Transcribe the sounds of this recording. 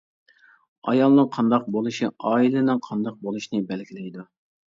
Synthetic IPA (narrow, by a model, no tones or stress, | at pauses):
ɑ̰jɑlˠnɨŋqʰɑnd̪ɑq̚bolˠuʃiɑːilɨnɨŋqʰɑnd̪ɑq̚bolˠuʃnɨbɛlɡʲilɛjd̪u